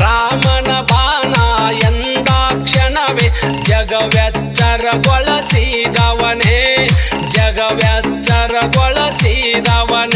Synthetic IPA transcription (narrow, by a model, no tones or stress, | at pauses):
ɾaːmɐnɐbʱaːnaːjɐnd̪aːkʂɐnɐʋed͡ʒɐɡɐʋjaːtt͡ʃaɾɐɡɔɭɐsid̪aʋɐne | d͡ʒɐɡɐʋjat͡ʃaɾɐɡɔɭɐsid̪ɐʋɐne